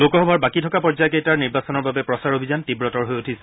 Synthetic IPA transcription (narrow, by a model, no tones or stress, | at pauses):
lokɔɦɔbʱɔɹbakitʰɔkapɔɹzajɔkejtaɹniɹbasɔnɔɹbabɛpɹɔsaɹobʱizantibɹɔtɔɹɦojotʰis